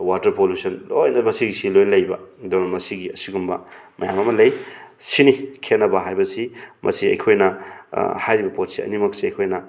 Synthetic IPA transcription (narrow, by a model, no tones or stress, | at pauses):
watɐɾpoljusɐnlojnɐmɐsiɡisilojlɐjbɐ̰doɾɐnmɐsiɡiɐsiɡumbɐmɐjamɐmɐlɐjsinikʰenːɐbɐɦajbɐsimʔɐ̰siɐ̰jkʰojnɐ | hajɾibɐpot̚siɐ̰nimɐksiɐjkʰojnɐ